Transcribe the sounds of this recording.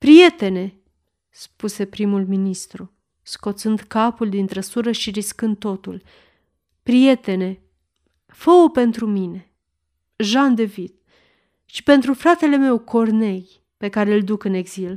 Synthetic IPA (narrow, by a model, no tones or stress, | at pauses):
pɾije̞t̪e̞ne̞ | spuse̞pɾimulminist̪ɾu | sko̞t̪sɨnd̪kapuld̪int̪ɾəsuɾəʃiɾiskɨnd̪̚o̞t̪ul | pɾije̞t̪e̞ne̞ | fo̞ope̞nt̪ɾumine̞ | ʒand̪e̞vid̪ | ʃi̥pe̞nt̪ɾufɾat̪e̞le̞me̞wkʰo̞rne̞j | pe̞kaɾe̞ild̪ukɨne̞ɡzil